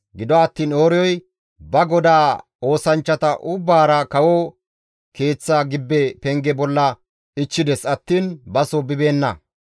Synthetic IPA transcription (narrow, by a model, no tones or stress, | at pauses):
ɡɪd̪ɔɐt̪ːiːnoːɾɪjɔj | bɐɡɔd̪aː | o̞ːsɐnt͡ʃːɐt̪ɐʔʊbːaːɾɐkɐwɔ | ke̞ːt͡sːɐɡɪbːɛpɛŋɡɛbɔlːɐ | ɪt͡ʃːɪd̪ɛsɐt̪ːiːnbɐsɔbɪbe̞ːnːɐ̰